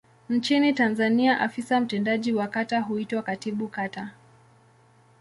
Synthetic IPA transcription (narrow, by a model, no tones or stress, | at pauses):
n̩t͡ʃinitanzaniaʔafisam̩tɛndaʄiwakataɦuitwakatiɓukata